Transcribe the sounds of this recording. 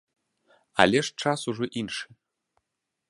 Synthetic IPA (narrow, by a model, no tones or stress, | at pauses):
a̰lʲeʂt͡ʃasuʐoʔinʂɨ̥